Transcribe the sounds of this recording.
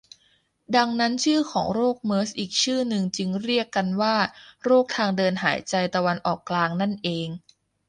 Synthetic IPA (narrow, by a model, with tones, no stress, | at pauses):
da˧ŋna˦˥nt͡ɕʰɯː˥˩kʰɔː˩˦ŋɾoː˥˩k̚mɤː˦˥sʔiː˨˩k̚t͡ɕʰɯː˥˩nɯ˨˧ŋt͡ɕɯ˧ŋɾi˥˩əkːa˧nwaː˥˩ɾoː˥˩k̚t̪ʰaː˧ŋdɤː˧nɦa̰ː˩˦jt͡ɕa˧jt̪a˧wa˧nʔɔː˨˩kːlaː˧ŋna˥˩nʔeː˧ŋ